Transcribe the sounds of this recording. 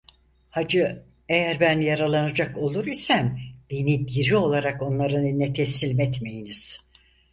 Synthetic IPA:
had͡ʒɯ | ejæɾbænjaɾalˠanad͡ʒako̞lˠuɾisæmd̪̥enid̪iɾio̞lˠaɾako̞nlˠaɾɯnnet̪ʰesilʲmɛt̪me̞jiniz̥

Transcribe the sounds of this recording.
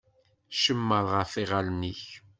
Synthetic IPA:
ʃəmːəɾˤʁəfiʁalniç

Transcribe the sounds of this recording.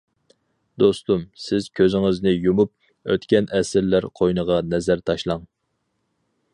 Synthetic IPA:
d̪ost̪umsɪz̥kʲʰøzɪŋɪznɪjumup̚ | ø̰t̪kʲɛnɛsɪɾlæɾqʰojnəʁɑnɛzæɾt̪ʰɑʃlˠɑŋ

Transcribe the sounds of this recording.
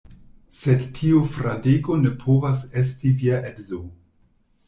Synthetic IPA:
sedtʰiofɾadeɡo̞ne̞pʰo̞vases̬tiviaʔedzo

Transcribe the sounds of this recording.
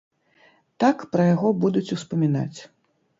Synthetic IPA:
t̪akpɾɐjaɣɔbud̪ut͡sʲuspɐmʲin̪a̰t͡sʲ

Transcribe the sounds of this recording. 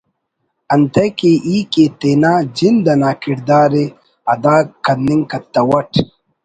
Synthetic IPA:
ɐnt̪ɐkeʔiːket̪enaːd͡ʒind̪ɐnaːkiɽd̪aːɾe | ɐd̪aːkːɐnːiŋkɐt̪ːɐwɐʈʰ

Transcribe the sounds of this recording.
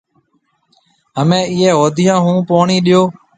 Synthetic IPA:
ɦəmẽːɪːɦeːɦoːd̪ʱɪjãːɦũːpoːɳiːɗɪjoː

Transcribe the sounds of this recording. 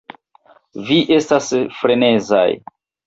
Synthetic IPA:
viʔe̞stasfɾene̞za̰j

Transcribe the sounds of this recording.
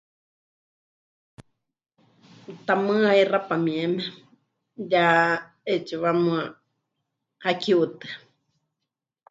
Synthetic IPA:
t̪amɨ̃airapamĩeme | ja | et͡ʃuβamũa | hakiut̪ɨ̥

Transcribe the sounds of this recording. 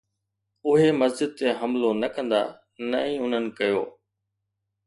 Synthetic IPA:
ʊɦemɐzd͡ʑɪd̪̚t̪eɦɐmlonɐkə̃nd̪a̰ | nɐĩːʊn̤ənɪ̆kɐjo̰ː

